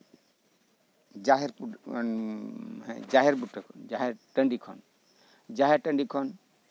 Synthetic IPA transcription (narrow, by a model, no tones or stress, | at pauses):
d͡ʒaɦɛɾpu | ɛd͡ʒaɦɛɾpuʈəd͡ʒaɦɛɾʈəɳɖikʰɔ̰n | d͡ʒaɦɛɾʈə̃ɳɖikʰɔn